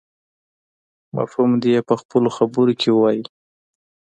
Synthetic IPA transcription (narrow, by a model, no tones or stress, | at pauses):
ma̰fhumd̪ijepəxpəloxabəɾokʰewwaji